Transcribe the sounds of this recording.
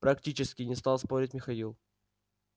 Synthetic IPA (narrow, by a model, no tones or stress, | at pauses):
pɾɐktʲit͡ɕɪskʲɪnʲɪst̪alˠspoɾʲɪtʲmʲɪxɐilˠ